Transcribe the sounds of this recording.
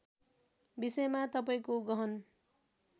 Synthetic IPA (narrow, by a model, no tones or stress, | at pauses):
bisʌjmat̪ʌpaĩkoɡʌɦʌn